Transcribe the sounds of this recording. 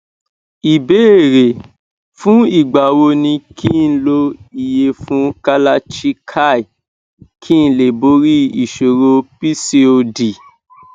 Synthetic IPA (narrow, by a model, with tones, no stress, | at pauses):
i˨be˦e˦˨ɾe˨ | fũ˦i˦˨ɡ͡ba˨wo˧nĩ˧kʰĩ˦˨n̩˦lo˧i˨je˧fũ˦ka˦la˦t͡ʃi˦kʰa˦˨i˨ | kʰĩ˦˧˦le˨bo˨˦ɾi˦i˨ʃo˨ɾo˧pi˦se˦o˧di˨